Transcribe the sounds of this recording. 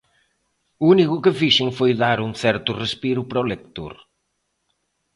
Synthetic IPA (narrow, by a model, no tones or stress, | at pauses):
uunikʊkɪfiʃɪŋfojðaɾuŋθɛɾt̪ʊrespiɾʊpɾolekt̪o̰ɾ